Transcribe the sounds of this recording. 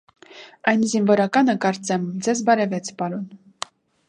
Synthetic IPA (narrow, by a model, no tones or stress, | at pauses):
ɑjnzinvɔɾɑkɑnəkɑɾt͡sɛmd͡zɛzbɑɾɛvɛt͡sʰpɑɾun